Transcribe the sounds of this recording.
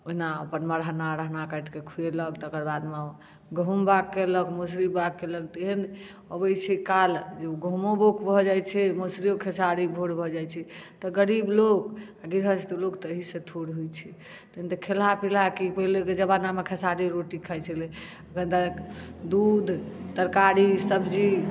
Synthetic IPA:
oɦinaəpənməɾɦənaɾəɦnakəɪʈkekʰujeləkt̪ɔkəɾbad̪me | ɡəɦumbakːeləkmosɾibakːeləkt̪iɦən | əbəjt͡ʃʰɛkald͡ʒeɡəɦumobokʰbʱɔd͡ʒajt͡ʃʰɛmosɾiokʰesaɾibʱoɽbʱɔd͡ʒajt͡ʃʰɛt̪ɔɡəɾiblokaɡiɾɦət͡ʃʰt̪olokt̪əɦisẽt̪ʰoɽɦujt͡ʃʰɛ | t̪əənt̪ɔkʰelapilakipəɦleked͡ʒəbanamekʰəsaɾiɾoʈikʰəjt͡ʃʰɛle | əkənd̪ad̪ud̪ʱt̪əɾkaɾisəbd͡ʒi

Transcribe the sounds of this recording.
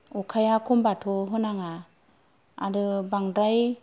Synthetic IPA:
ɔkʰajakʰɔmbatʰɔɦɔnaŋa̰ː | dɯbaŋdaj

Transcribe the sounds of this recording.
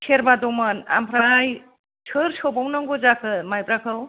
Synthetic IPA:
sʰeɾbadɔmana̰mpʰɾaj | sʰɯɾsʰobɔwnɔŋɡozakʰɯmajpɾakʰɯw

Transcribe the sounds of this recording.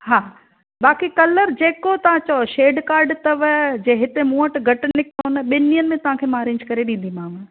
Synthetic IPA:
ɦaː | ɓaːkikɐləɾd͡ʑeːkot̪ɐʋ̤ãt͡ɕɐoʃeːɖkaːɾɖt̪ɐʋd͡ʑeːɦɪt̪emũːəʈɡʱɐʈnɪkʰonəɓɪnijənɪmẽt̪ɐʋ̤ãkʰeːmaːɾɪ̃ːɲd͡ʑkɐɾeɗĩːn̆d̪imaːm

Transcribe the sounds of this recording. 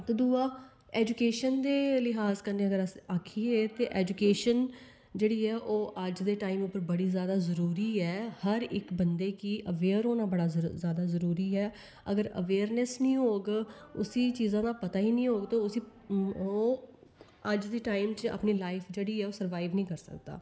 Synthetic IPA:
t̪oːd̪uːaː | ɛːd͡ʒukeːʃənd̪eːlɪɦaːzkənd̪ẽːəɡəɾəsaːkʰiːeːt̪eːʔɛːd͡ʒukeːʃən | d͡ʒeːɽiːɛːʔoːʔəd͡ʒd̪eːʈaːimʊpːəɾbəɽiːzjaːd̪aːzəɾuːɾiːɛːhəɾɪ̰kbənd̪eːkiːʔəʋeːɾoːnãːbəɽaːzjaːd̪aːzəɾuːɾiːɛː | əɡəɾə̰ʋeːɾnɛsnĩːɦoːɡʊsiːt͡ʃiːzãːd̪aːpət̪aːiːnĩːɦoːɡt̪õʊsiːoː | əd͡ʒd̪iːʈaːɪmt͡ʃa̰ːpniːlaːɪfʰd͡ʒeːɽiːɛːoːsəɾʋaːɪʋnĩːkəɾsə̰kd̪a̰ː

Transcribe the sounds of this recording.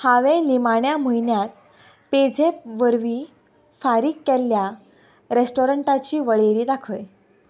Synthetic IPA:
haʋẽnimaɳjam̤əinjat̪̚ | ped͡zʱeʋəɾʋiː | faɾiːkːɛlːja | ɾesʈoɾəɳʈat͡ɕiːʋəɭeɾiːd̪akʰəj

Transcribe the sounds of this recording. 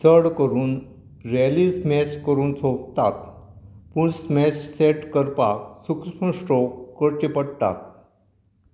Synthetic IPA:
səɽkəɾuːn | ɾelismɛɕkəɾuːnt͡sokt̪at̪ | puːɳsmɛɕseʈkəɾpaksukspəsʈɔkkəɾt͡ɕepəɽt̪a̰t̪̚

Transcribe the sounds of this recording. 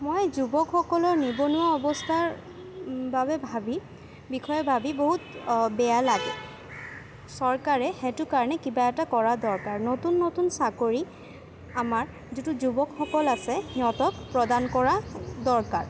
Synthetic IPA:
mojzubɔkxɔkɔlɔɹnibɔnuaɔbɔstʰaɹ | babɛbʱabi | bikʰɔjɛbʱabiboɦutbɛjalaɡɛ | sɔɹkaɹɛxɛtʊkaɹnɛkibaɛtakɔɹadɔɹkaɹnotunːotunsakoɹi | amaɹ | zituzubɔkxɔkɔlasɛhiɔtɔk̚pɹɔdankɔɹadɔɹkaɹ

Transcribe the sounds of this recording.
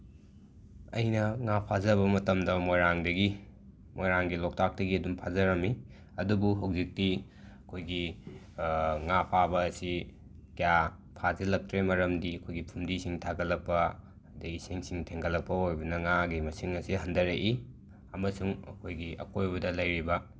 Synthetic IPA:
ɐ̰jnɐŋapʰazɐβɐmɐtɐmdɐmojɾaŋdɐɡi | mojɾaŋɡilok̚tak̚tɐɡiɐdumpʰazɐɾɐmi | ɐdubuɦɐwzik̚ti | ɐkʰojɡi | ŋapʰabɐːsi | kija | pʰazɐlɐk̚tɾemɐɾɐmdiɐkʰojɡipʰumdisiŋtʰaɡɐlɐpːɐ | dɐiseŋsiŋtʰeŋɡɐlɐpːɐojbɐnɐŋaɡimɐsiŋɐsihɐndɐɾeʔi | ɐmɐsuŋɐ̰kʰojɡiʔɐ̰kojbɐdɐlɐjɾibɐ

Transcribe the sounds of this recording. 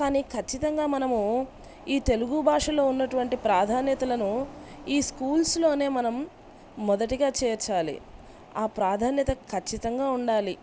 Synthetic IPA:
kaːniːkʰɐt͡ʃːit̪ɐŋɡaːmɐnɐmu | iːt̪e̞luɡubʱaːʂɐlo̞ːunːɐʈuʋɐɳʈipɾaːd̪ʱaːnjɐt̪ɐlɐnuiːskuːlslo̞ːne̞ːmɐnɐmː | ɔd̪ɐʈiɡaːt͡ʃɛːɾt͡ʃaːlḭ | aːpɾaːd̪ʱaːnjɐt̪ɐkʰɐt͡ʃːit̪ɐŋɡaːuɳɖaːli

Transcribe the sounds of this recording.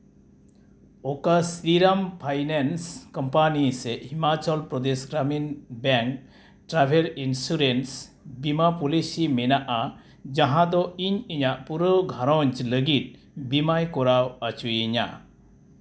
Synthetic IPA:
ɔkasiɾampʰajnenskɔmpanisɛʔhimat͡ʃalpɾɔd̪esɡɾaminbɛŋk | ʈɾabʰʱeɾinsuɾens | bimapɔlisimɛnaʔa | d͡ʒaɦãd̪ɔiɲiɲaʔpuɾəwɡʱaɾɔɲt͡ʃləɡit̪̚ | bimajkɔɾawat͡ʃujiɲa̰

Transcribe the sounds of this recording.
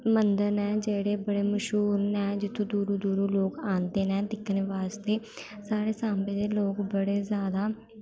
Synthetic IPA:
mənd̪əɾnɛ̃ːd͡ʒeːɽeːbəɽeːməʃɦuːɾnɛ̃ːd͡ʒɪt̪ʰũːd̪uːɾũːd̪uːɾũːloːkãːnd̪eːnɛ̃ːd̪ɪkːneʋaːst̪eː | saːɾeːsãːmbẽːd̪eːloːkbəɽeːzjaːd̪aː

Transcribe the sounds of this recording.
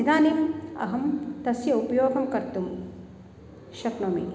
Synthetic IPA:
id̪aːnimɐ̰ɦɐmt̪ɐsjɐupɐjoːɡɐmkɐɾt̪um | ʃɐknomḭ

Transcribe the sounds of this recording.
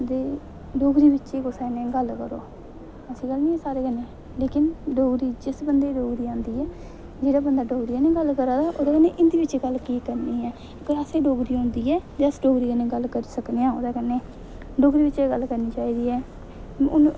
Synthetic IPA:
d̪eː | ɖoːɡɾiːʋɪtːʃeːkoːsɛːnẽːɡəlkəɾo̰ː | əsĩːɡəlnĩːɛːsaːɾeːɡənːeː | leːkɪnɖoːɡɾiːd͡ʒɪsbənd̪eːɖoːɡɾiːãːnd̪iːɛː | d͡ʒeːɽaːbənd̪aːɖoːɡɾiːaːnĩːɡəlkəɾaːd̪aːʔoːd̪aːkɛneːʔɪnd̪iːʋɪt͡ʃɡəlkiːkəɾniːɛː | keəsẽːɖoːɡɾiːõːnd̪iːɛːt̪eəsɖoːɡɾiːkənẽːɡəlkəɾiːsəkneːãːo̰ːd̪aːkənːeː | ɖoːɡɾiːʋɪt͡ʃeɡəlkəɾniːt͡ʃaːiːd̪iːɛː | ʊn

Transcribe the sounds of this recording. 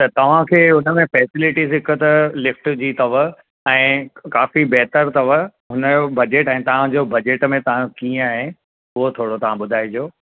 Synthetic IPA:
t̪ɐt̪ɐʋ̤ãkʰeːʊnəmẽfɛːsɪlɪʈizɦɪkʰət̪ɐlɪfʈd͡ʑiːt̪ɐʋ̤ə | ɛ̃ːkaːfibɛɦt̪əɾt̪ɐʋəɦʊnəobɐd͡ʑeʈɛ̃ːt̪ɐʋ̤ãd͡ʑoːbɐd͡ʑeːʈmẽt̪ɐʋ̤ãkiːə̃aɦɪ̃ | ʊɦot̪ʰoːɽot̪ɐʋ̤ãɓʊd̪ʱaːid͡ʑoː

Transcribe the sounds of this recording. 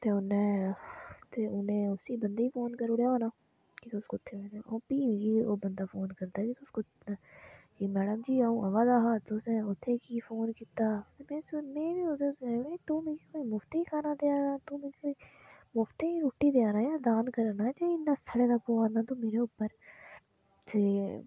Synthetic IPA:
t̪eːʊnẽː | t̪eːʊnẽːʊsiːbənd̪eːiːfoːnkəɾʊɽjaoːnaː | kit̪ʊskoʊt̪ʰːeːeeoːpiːmiɡiːoːbənd̪aːfoːnkəɾd̪aːkiːt̪ʊskʊ | d͡ʒiːmɛːɽəmd͡ʒiːaːũːəʋaːd̪aːɦaːt̪ʊsɛ̃ːʊt̪ʰːeːkiːfʰoːnkiːt̪aːmẽːsmẽːbiot̪eet̪ũːmekikoimʊft̪eikʰaːnad̪eːaːnaːt̪ũːmeːkikːi | mʊft̪eiɾuːʈːid̪eːaːnaːjaːd̪aːnkəɾanaːt͡ʃeinːast̪ʰəɽek̪apoːaːnaːt̪omeːɾeʊpːəɾ | se

